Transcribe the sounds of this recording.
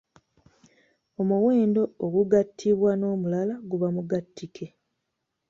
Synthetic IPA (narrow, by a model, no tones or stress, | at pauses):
o̞muwe̞ːndo̞ːɡuɡatʰːiβwano̞ːmulalaɡuβamuɡatːikʰe̞